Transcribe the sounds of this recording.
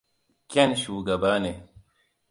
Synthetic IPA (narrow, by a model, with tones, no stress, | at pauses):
kʲɛ˦˨nʃuː˨ɡɐ˨baː˦ne˨